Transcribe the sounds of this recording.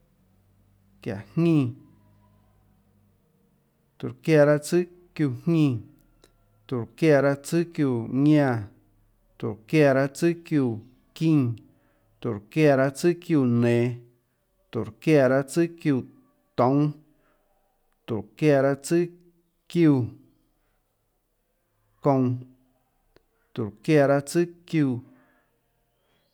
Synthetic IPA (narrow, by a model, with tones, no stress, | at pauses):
kja̰˨hɲĩː˧˨ | t̪u˨ɾkja˧˨ɾa˦t͡sɨ˦ | kju˧˨hɲĩ˧˨ | t̪u˨ɾkja˧˨ɾa˦t͡sɨ˦kju˧˨ɲã˧˨ | t̪u˨ɾkja˧˨ɾa˧t͡sɨ˦kju˧˨ | kĩː˦˧ŋ | t̪u˨ɾkja˧˨ɾa˧t͡sɨ˦kju˧˨nẽː˨ | t̪u˨ɾkja˧˨ɾa˦t͡sɨ˦kju˧˨ | t̪õ˨˦ | t̪u˨ɾkja˧˨ɾa˦t͡sɨ˦ | kju˧˨ | kõ˧ | t̪u˨ɾkja˧˨ɾa˦t͡sɨ˦kjuː˧˨